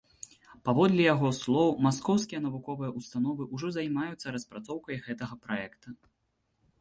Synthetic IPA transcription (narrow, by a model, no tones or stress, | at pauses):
pavɔd̪lʲɛjaɣɔslˠɔwmaskɔwskʲijɐnɐvukɔvɨjɐʔust̪anɔvɨʔuʐɔzajmajut̪sːɐɾɐspɾat̪sɔwkɐjɣɛt̪ɐɣɐpɾaɛkt̪u